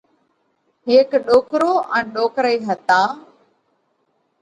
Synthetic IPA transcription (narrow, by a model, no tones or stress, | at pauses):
ɦeːkɗoːkɾoːʔɛ̃ːɗoːkɾəiːɦət̪aː